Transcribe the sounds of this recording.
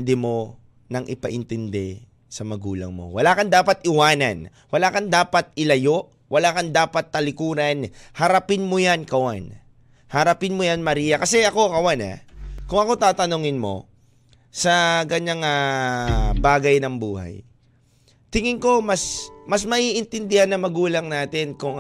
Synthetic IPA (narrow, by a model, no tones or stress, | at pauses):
nd̪ɛmo̞ | nɐŋʔɪpɐʔɪnt̪ɪnd̪ɛ | sɐmɐɡuːlɐ̰ŋmo̞̰wɐlaːkɐnd̪aːpɐt̪̚ʔɪwaːnɐ̰n | wɐlaːkɐnd̪aːpɐt̪̚ɪlɐjo̞ʔ | wʔɐlaːkɐnd̪aːpɐt̪ːɐlɪkuːɾɐnhɐɾɐpɪnmojankɐwan | hɐɾɐpɪnmojanmɐɾiːjɐkɐsɛʔɐko̞kɐwana̰kʊŋɐko̞t̪aːt̪ɐnoŋɪnmo̞̰ | sɐkɐɲaŋa | baːɡɐjnɐŋbuːha̰j | t̪ɪŋɪŋko̞mɐsmɐsmɐʔiʔɪnt̪ɪnd̪ɪhanːɐmɐɡuːlɐŋnaːt̪ɪnkʊŋ